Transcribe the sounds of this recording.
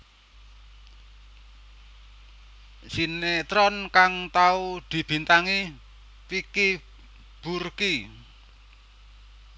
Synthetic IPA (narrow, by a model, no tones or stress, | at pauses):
sinet̪ɾɔnkaŋt̪aud̪̥i̤b̥i̤nt̪aŋi | piki | b̥urki